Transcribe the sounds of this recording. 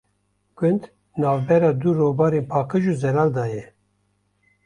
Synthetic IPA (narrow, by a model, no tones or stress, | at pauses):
ɡ̥ʷɨnd̪ | nɑːvbɛɾɑːd̪uɾoːbɑːɾeːnpʰɑːqɨʒuːzɛɾɑːld̪ɑːjɛ